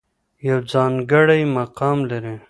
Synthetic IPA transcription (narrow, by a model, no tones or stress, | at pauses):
jɐwd͡zaːnɡɐɽɐjmɐqaːmlɐɾẽ